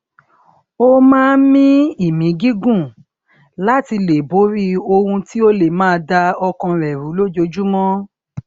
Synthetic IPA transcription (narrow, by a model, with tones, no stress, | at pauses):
o˦mãː˦˨˦mĩ˦i˦˨mĩ˨˦ɡi˦ɡũ˦˨ | la˦ti˧le˨bo˨˦ɾi˦o˧hũ˧ti˦o˦le˨mãː˦˧da˧ɔ˧kɔ̃˧ɾɛ˨ɾu˨˦lo˦d͡ʒo˧d͡ʒu˦mɔ̃˦